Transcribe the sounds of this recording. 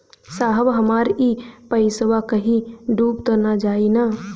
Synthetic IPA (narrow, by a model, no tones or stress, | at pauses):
saːɦəʋɦəmaːɾiːpəɪsəʋakəɦĩɖuːb̚t̪onad͡ʒaːina